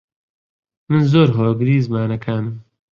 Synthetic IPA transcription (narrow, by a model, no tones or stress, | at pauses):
mɨnzoːɾɦoːɡɨɾiːzmaːnɐkʰaːnɨm